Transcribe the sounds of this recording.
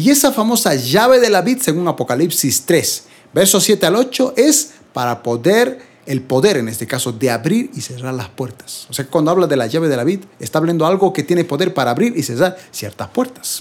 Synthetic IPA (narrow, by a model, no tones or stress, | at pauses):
ie̞safamo̞saʝaβe̞ðelaβid̪se̞ɣuŋapo̞kalipsist̪ɾes | beɾsosje̞t̪ealo̞t͡ʃo̞ʔe̞s | paɾapoðeɾ | elpo̞ðe̞ɾene̞st̪ekaso̞ðeaβɾiɾise̞raɾlaspweɾt̪ḁsoseakwand̪oaβlaðe̞laʝaβeðelaβid̪est̪aβljend̪oalɣoket̪je̞nepo̞ðe̞ɾpaɾaːβɾiɾʔiseraɾsjḛɾt̪aspweɾt̪ḁs